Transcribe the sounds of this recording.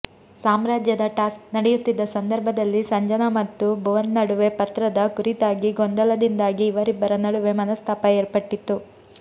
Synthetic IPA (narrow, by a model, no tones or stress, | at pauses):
saːmɾaːd͡ʒjɐd̪ɐʈaːsknɐɽɛjut̪ːid̪ːɐsɐnd̪ɐɾbʱɐd̪ɐlːisɐɲd͡ʒɐnɐmɐt̪ːubuʋɐnːɐɽuʋe̞pɐt̪ɾɐd̪ɐkuɾit̪aːɡiɡond̪ɐlɐd̪ind̪aːɡiːʋɐɾibːɐɾɐnɐɽuʋe̞mɐnɐst̪ʰaːpɐeːɾpɐʈːit̪ːu